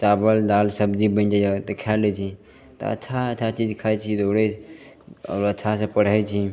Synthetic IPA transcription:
t͡ʃabəld̪aːlsəbd͡ʒibə̃nd͡ʒat̪kʰɛlɛt͡ʃʰi | t̪o̰ə̰tːt͡ʃʰaəːt͡ʃʰat͡ʃid͡ʒkʰajt͡ʃʰid̪oɽe | ɔ̰ːɾətːt͡ʃʰasẽpəɽ̤ət͡ʃʰi

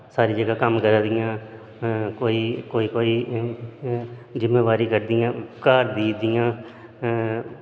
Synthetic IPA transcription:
saːɾiːd͡ʒəɡaːkəmkəɾaːd̪ɪjãː | koːiːkoːiːkoːiː | d͡ʒɪmːeːʋaːɾiːkəɾd̪ɪjãːkaːɾd̪iːd̪ɪjãː

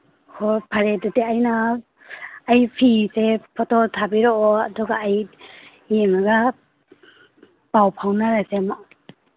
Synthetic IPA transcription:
hʰɔpʰaɾedɔteajna | jpʰisepʰɔtʰɔtʰabiɾɔɔadɔɡaːjː | eŋaɡa | pawpʰawnaɾasema

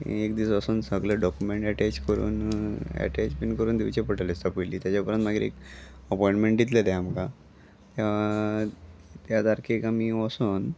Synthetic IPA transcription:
ekd̪iːsʋəsuːnsəɡləɖɔkumeɳʈɛʈɛt͡ɕkəɾṵːnæ̰ʈɛt͡ɕbinkəɾuːnd̪iʋt͡ɕepəʈəlist̪apəliːt̪jat͡ɕapəɾə̃nt̪maɡiɾḛk | əpɔĩɳʈmeɳʈd̪it̪ləd̪ɛamka | t̪jaa | t̪jad̪aɾkʰekamiːʋɔsuːn

